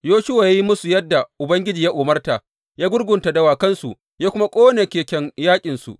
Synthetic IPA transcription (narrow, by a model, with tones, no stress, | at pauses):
joː˦ʃɪ˦wa˨ja˦ji˦mʊ˦su˨jɐ˦dːa˨ʔʊ˨bɐ˦ŋɡʲɪ˦d͡ʒiː˨ja˦ʔʊː˨mɐ˦rta˨ | jaː˦ɡʷʊ˦rɡʷʊ˨nta˨dɐ˦waː˨kɐ˦nsu˨ʔ | jaː˦kʷʊ˦ma˦kʷʼoː˦ne˨kʲeː˨kʲɛ˦ŋjaː˦kʲʼɪ˨nsṵ˨